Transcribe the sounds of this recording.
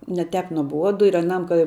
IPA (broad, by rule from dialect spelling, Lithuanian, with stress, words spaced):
nʲɛ ˈtʲɛp nuɔˈbuɔdʊ ɪr ɐˈnɐm kɐ